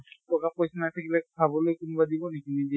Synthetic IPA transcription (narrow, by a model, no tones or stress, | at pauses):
pɹɔkapkojsanajtʰakilɛbʰʱabɔlojkunubadibɔnekinibi